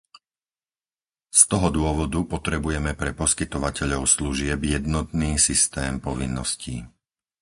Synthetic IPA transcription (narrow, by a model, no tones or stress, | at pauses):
st̪ɔɦɔd̪ʊɔʋɔd̪upɔt̪ɾɛbujɛmɛpɾɛpɔskit̪ɔʋacɛʎɔʊsluʒɪɛbjɛd̪nɔt̪niːsist̪ɛːmpɔʋinːɔ̰scḭ